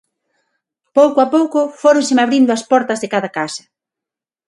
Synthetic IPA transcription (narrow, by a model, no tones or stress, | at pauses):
powkoapowkʊfoɾoŋsɪmaβɾind̪ʊaspɔɾt̪ɐzðekaðɐkasɐ̥